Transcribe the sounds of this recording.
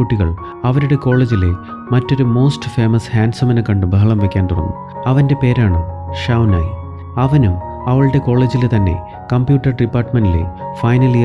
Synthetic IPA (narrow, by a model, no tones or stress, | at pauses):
uʈːiɣɐɭ | ɐʋɐɾuɽe̞ko̞ːɭːeːd͡ʑile | mɐtːo̞ɾumo̞ːstɨ̥fe̞ːmɐshaːnsɐmɐnɨkɐɳɖɨbʱɐɦɐɭɐmʋekʲːaːnt̪uɽɐ̰nːu | ɐʋɐnde̞pe̞ːɾaːɳɨʂɐwna̰ːji | ɐʋɐnum | ɐʋɐɭɨɽe̞ko̞ːɭːe̞ːd͡ʑilet̪ɐnːe̞̰ | kɐmpjuːʈːɐrɖipːaːrʈmɐndilḛfɐjnɐli